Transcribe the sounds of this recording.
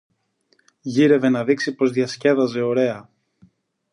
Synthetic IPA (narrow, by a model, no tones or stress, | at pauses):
ʝiɾe̞ve̞nɐðiksipo̞zðiɐsce̞ðɐze̞o̞ɾe̞ɐ